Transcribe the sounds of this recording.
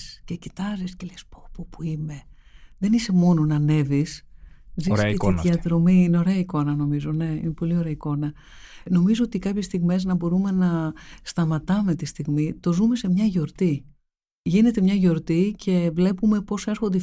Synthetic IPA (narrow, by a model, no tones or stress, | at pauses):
sce̞cit̪ɐziscelespopopuime̞ | ðe̞nise̞mo̞no̞nɐne̞viszisiðʝɐðɾo̞miineo̞ɾe̞ɐiko̞nɐno̞mizo̞ne̞ḭnepo̞lio̞ɾeɐiko̞nɐ | no̞mizo̞ot̪ikɐpçe̞st̪iɣme̞znɐbo̞ɾume̞nɐst̪ɐmɐt̪ɐme̞t̪ist̪iɣmit̪o̞zume̞se̞mɲɐʝo̞ɾt̪i | ʝine̞t̪e̞mɲɐʝo̞ɾt̪icʰe̞vle̞pume̞po̞se̞ɾxo̞nd̪e